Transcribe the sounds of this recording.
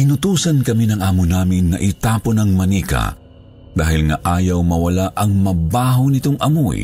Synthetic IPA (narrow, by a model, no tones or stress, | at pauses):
ʔɪnʊt̪uːsɐnkɐminɐŋʔaːmʊnaːmɪnːɐʔɪt̪aːponɐŋmɐniːkɐ̰ | d̪̥aːhɪlŋɐʔaːjɐwmɐwɐlaʔɐŋmɐbaːɦonɪt̪oŋʔɐmoj